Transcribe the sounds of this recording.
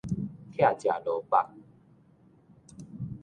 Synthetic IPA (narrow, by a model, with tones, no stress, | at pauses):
t̪ʰja˥˨t͡ɕja˨˩lo˨˦pa˦˧k̚